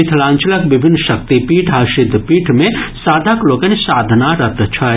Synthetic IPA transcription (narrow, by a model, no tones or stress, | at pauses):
ɪt̪ʰlãːɲt͡ʃələkʋɪbʱɪnːʃɐk̚t̪ipiːʈʰaːʃɪd̪ʱːpiːʈʰmẽsaːd̪ʱakloːkɐnsaːd̪ʱnaɾɐt̪ət͡ʃʰa